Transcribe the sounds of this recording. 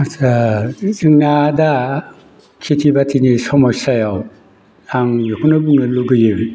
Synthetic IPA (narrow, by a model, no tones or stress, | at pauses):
asazɯŋnada | kʰitʰibatʰinisɔmɔjsajaw | aŋjokʰunabuŋnɯluɡɯjɯ